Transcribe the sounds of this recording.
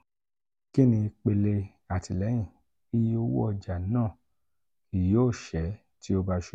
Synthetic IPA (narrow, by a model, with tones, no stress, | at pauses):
ki˦nĩ˧k͡pe˧le˧ | a˨ti˨lɛ˨˦j̃ĩ˦˨ | i˦jo˦wṵ˦ɔ˧˨d͡ʒa˨˦nãː˦˨ | ki˨˦oː˦˨ʃɛ˨˦ | ti˦o˧ba˧ʃu˨